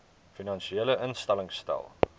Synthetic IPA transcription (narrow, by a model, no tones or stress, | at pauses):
finɐnʃieləʔənstɛləŋstɛ̰lˠ